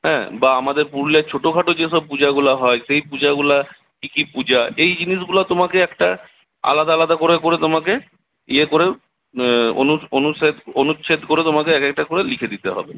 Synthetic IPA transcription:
ɦɛ̰̃baamad̪eɾpuɾlet͡ɕʰoʈokʰaʈod͡ʑeʃɔb̚pud͡ʑaɡulaɦɔeʃejpud͡ʑaɡula | kikipud͡ʑaejd͡ʑiniʃ̬ɡulat̪omakeɛkʈa | a̰lad̪aalad̪akoɾekoɾet̪omake | iekoɾe | onuonuʃet̪onuʃʰed̪koɾet̪omakeɛkek̚ʈakoɾelikʰed̪it̪eɦɔ̰be

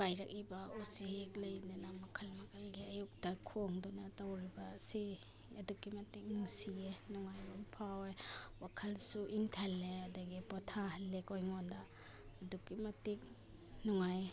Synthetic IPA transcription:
bajɾɐk̚ibɐusiheklɐjndunamɐkʰɐlmɐkʰajɡiɐjuk̚dɐkʰoŋdunɐtawɾibɐsi | ɐdukimɐtik̚nusienɔŋajbɔmpʰawejwakʰɐlsuʔiŋtʰɐlːeɐdɐɡipɔtʰalekojŋondaː | dukimɐtik̚ | nɔŋaj

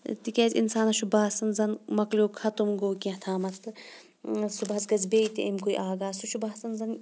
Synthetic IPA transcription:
t̪ikʲeːzʲḭnsaːnɐʃubaːsɐnzɐnmɐklʲuːkʰɐt̪umɡoːkiɐt̪ʰaːmɐt̪ʰːɨ | subɦɐzɡɐzbeːit̪iʔɐmʲkojʔaːɡaːsuʃubaːsɐnzɐn

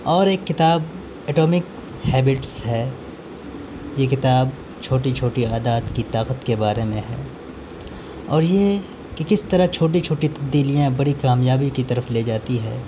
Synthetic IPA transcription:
ɔːɾeːkːɪt̪aːb | ɛːʈoːmɪk | hɛːbɪʈsɦɛː | jekɪt̪aːb̚ | t͡ʃʰoːʈit͡ʃʰoːʈiaːd̪aːt̪kit̪aːqət̪kebaːɾemẽɦɛ̰ː | ɔːɾje | kekɪst̪ɐɾat͡ʃʰoːʈ̬it͡ʃʰoːʈit̪ɐb̚d̪iːlijãbɐɽikaːmjaːbikit̪ɐɾəfleːd͡ʒaːt̪iɦɛ̰ː

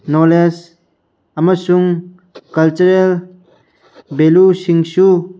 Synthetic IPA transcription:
nɔles | amasuŋ | kalt͡ʃuɾel | belusiŋsu

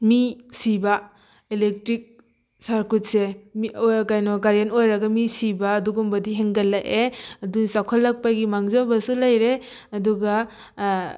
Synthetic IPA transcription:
misiba | elek̚tɾik̚ | saɾkut̚semkajnɔɡaɾjanojɾɐɡamisibaːduɡumbɐdiɦeŋɡalːaʔeɐdunsakʰɔlːak̚paɡimaŋzobɐsulajɾe | ɐduɡa

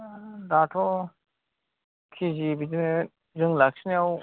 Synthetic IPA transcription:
datʰɔ | kʰizibidine | zɯŋlak̚siniaw

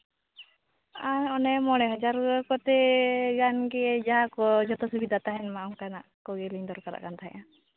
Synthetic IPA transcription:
aɲɔnɛmɔɽ̃ɛɦɔd͡ʒaɾɡkɔt̪ɛɡanɡɛd͡ʒaɦakɔd͡ʒɔt̪ɔsubid̪ʱat̪aɦɛnmaɔŋkanaʔkɔɡɛliɲd̪ɔɾkaɾa̰ʔkant̪ʰaɦɛ̰̃ʔa

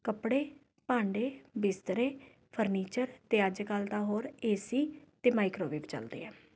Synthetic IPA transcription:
kəpɽeː | pãːɳɖeːbɪst̪əɾeː | pʰəɾniːt͡ʃəɾt̪eːəd͡ʒkəlt̪aːɦoːɾeːsiːt̪eːmaːɪkɾoːʋiːpt͡ʃə̰ld̪ḛːɛː

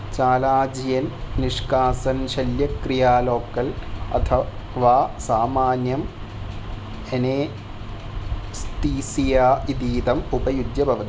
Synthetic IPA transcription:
t͡ɕaːlaːd͡ʑijɐnniʂkaːsɐnɕɐljɐkɾijaːloːkːɐlɐ̰t̪ʰɐʋaːsaːmaːnjɐm | eneː | st̪iːsijaːid̪iːd̪ɐmubɐjud̪jɐbʱɐʋɐt̪i

